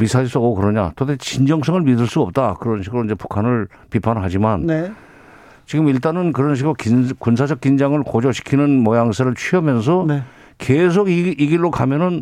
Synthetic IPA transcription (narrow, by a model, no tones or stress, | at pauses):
misʰaiɭs͈ʌɡokɯɾʌɲa̰todet͡ɕind͡ʑʌŋs̬͈ʰʌŋɯɭmidɯɭs͈uʌp̚t͈akɯɾʌnɕʰiɡɯɾoind͡ʑe̞pu̥kʰanɯɭ | pipʰanɦad͡ʑimanne | t͡ɕiɡɯmiɭt̬͈anɯnkɯɾʌnɕ̬ʰiɡɯɾokkuns̬ʰad͡ʑʌk͈ind͡ʑaŋɯɭkod͡ʑʌɕʰi̥kʰinɯnmʌjaŋs̬ʰeɾɯɭt͡ɕʰɥiʌmjʌns̬ʰʌne | kes̬ʰoɡiiɡiɭːokamjʌnɯn